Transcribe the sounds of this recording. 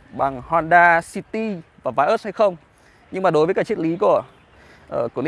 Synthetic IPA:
ɓa˨˩ŋhwaː˧nɗaː˧si˧t̪i˧vaː˨˩vaː˨˦jʔəː˦˥ha˧jxə˧wŋ͡m | ɲɨ˧ŋmaː˨˩ɗo˨˦jvəː˨˦kaː˦˥k̚t͡ɕʰe˦˥t̚li˨˦ku˧˩ə | ʔəː˧˩ku˧˩˨n˧

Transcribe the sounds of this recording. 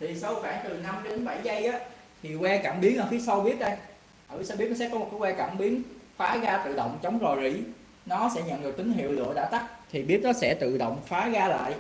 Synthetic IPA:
t̪ʰi˨˩sə˧wxwaː˧˩ŋt̪ɨ˨˩na˧mɗnɓa˧˩jzə˧jʔaː˨˦ | t̪ʰi˨˩wɛ˧ka˧˩mɓi˨˦ənʔaː˨˩fi˨˦sa˧wɓi˦˥ət̚ɗə˧j | ʔaː˨˩fi˨˦sa˧ɓi˦˥ət̚nɔ˦sɛ˧˥kɔ˨˦m˨˩ku˨˦wɛ˧ka̰ː˧˩mɓi˨˦ənfaː˨˦ɣaː˧t̪ɨ̰˧˨ɗə̰˧˨wŋ͡mt͡ɕə˨˦wŋ͡mzo˨˩jzḭ˧˩ | nɔ˨˦sɛ̰˧˥ɲə̰˧˨nɗɨ˨˩k̪̚ï˨˦ŋ̟hḭ˧˨əwlɨ̰˧˨əɗaː˧˥t̪a˦˥k̚t̪ʰi˨˩ɓi˦˥ət̚nɔ˨˦sɛ̰˧˥t̪ɨ̰˧˨ɗo̰˧˨wŋ͡mfaː˨˦ɣaː˧la̰ː˧˨jʔ

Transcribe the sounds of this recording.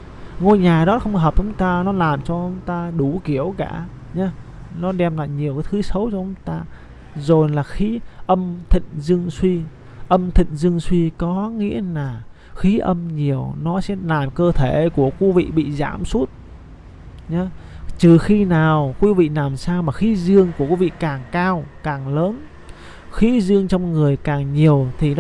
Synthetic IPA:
ŋo˧jɲaː˨˩ɗɔ˨˦xə˧wŋ͡mɦəː˨˩p̚t͡ɕʊ˨˦ŋ͡mt̪aː˧nɔ˨˦laː˨˩mt͡ɕɔ˧ʔʊ˧˦ŋ͡mt̪aː˧ɗu˧˩ki˧˩əwkaː˧˩ɲa˨˦ | nɔ˨˦ɗɛ˧mla̰ː˧˨jɲi˨˩əwkaː˨˦jt̪ʰɨ˨˦sə˨˦wt͡ɕɔ˧ʔʊ˨˧˦ŋ͡mt̪aː˧ | zo˨˩jlaː˨˩xi˨˦ʔə˧mt̪ʰḭ̈˧˨ŋ̟zɨ˧əŋswi˧ | ʔə˧mt̪ʰḭ̈˧˨ŋ̟zɨ˧əŋswi˧kɔ˨˦ŋḭ˧˥əlaː˨˩ | xi˨˦ʔə˧mɲi˨˩əwnɔ˨˦sɛ̰˧˥laː˨˩mkəː˧t̪ʰe˧˩ku˧˩əki˨˦vḭ˧˨ɓḭ˧˨za̰ː˧˩msu˦˥t̚ | ɲɔ˨˦t͡ɕɨ˨˩xi˧naː˨˩wkwi˨˦vḭ˧˨naː˨˩msaː˧wmaː˨˩xi˨˦zɨ˧əŋku˧˩əki˨˦vḭ˧˨kaː˨˩ŋkaː˧wkaː˨˩ŋləː˨˦n | xi˨˦zɨ˧əŋt͡ɕɔ˧wŋ͡mŋɨ˨˩əjkaː˨˩ŋɲi˨˩əwt̪ʰi˨˩n˨˦

